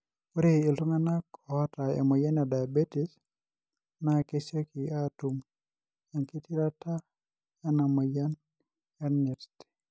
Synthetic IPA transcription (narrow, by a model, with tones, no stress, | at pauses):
u˦ɾeɪ˨lʊ˦ŋa˦na˦kɔ˨ɔ˦ta˨ḛ˨mɔ˨ja˦nja˨da˨ja˨be˦ti˦s | na˨ke˦se˦ki˨a˦tu˨m | ja˨ŋki˦ti˦ɾa˦ta˦ | ja˦na˨mɔ˨ja˦n | ja˦ni˨ɾti̥˨